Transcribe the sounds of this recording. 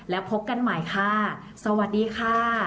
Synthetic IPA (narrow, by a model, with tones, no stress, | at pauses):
lɛː˦˥wpʰo˦˥p̚ka˧nmaː˨˩˦jkʰa˧˥˩ | sa˧wa˨˩t̪̚diː˧kʰaː˧˥˩